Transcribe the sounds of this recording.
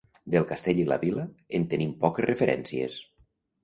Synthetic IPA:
d̪elˠkast̪eʎila̰βilaent̪enimpɔkesrefeɾʔɛ̰nsiḛs

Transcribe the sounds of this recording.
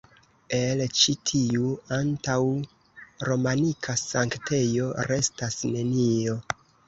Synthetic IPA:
e̞lt͡ʃitʰiuantaw | ɾo̞manikʰasaŋkte̞jo̞ɾe̞stasne̞nio̞

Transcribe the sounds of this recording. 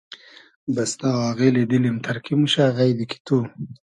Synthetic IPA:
basnawaːɣeled̪ilimt̪ʰaɾkʰimuʃaɣajd̪iki̥t̪u

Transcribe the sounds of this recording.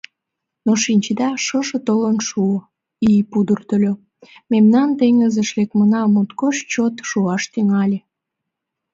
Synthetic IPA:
noʃinʲt͡ɕəd̪ɑʃəʒə̆t̪olənʃuo | ijpud̪ərt̪əlʲo | memnɑnt̪eŋəzəʃlekmənɑmot̪koʃt͡ɕot̪ʃuɑʃt̪yŋɑlʲe

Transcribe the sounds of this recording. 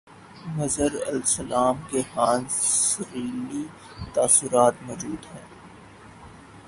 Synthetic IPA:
mɐzəɾɐ̰lsɐlaːmkexãːnsɐɣiːli | t̪aːsʊɾaːt̪mɔːd͡ʒuːd̪ɦɛ̃ː

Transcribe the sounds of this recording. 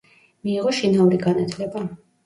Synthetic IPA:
miːʁɔʃinauɾiɡanat̪ʰlɛba

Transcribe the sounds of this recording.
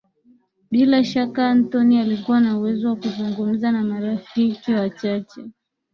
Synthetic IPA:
ɓilaʃakaːntɔnialikuwanauwɛzɔwakuzuŋɡum̩zanamaɾafikiwat͡ʃat͡ʃɛ

